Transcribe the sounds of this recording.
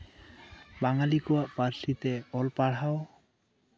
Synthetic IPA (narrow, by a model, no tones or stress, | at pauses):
baŋalikoaʔpaɾsit̪eɔlpaɽao